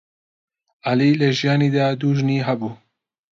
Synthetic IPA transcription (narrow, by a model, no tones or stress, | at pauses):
aliːlɐʒijɑːniːd̪aːd̪uːʒniːɦɐbuː